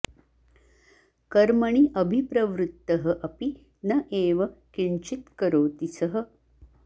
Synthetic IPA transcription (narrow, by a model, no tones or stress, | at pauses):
kɐɾmɐɳiʔɐbʱipɾɐʋɾut̪ːɐɦɐʔɐpi | nɐʔeːʋɐkiɳt͡ʃit̪kɐɾoːt̪isɐɦɐ̆